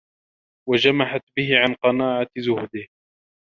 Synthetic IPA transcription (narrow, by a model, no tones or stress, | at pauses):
wad͡ʒamaħat̪̚bɪɦɪʕanqɑnaːʕazʊhd̪ɪh